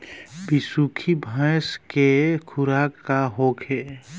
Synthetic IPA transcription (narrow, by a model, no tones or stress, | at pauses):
bisukʰibʱãskekʰʊɾakːaɦoːkʰe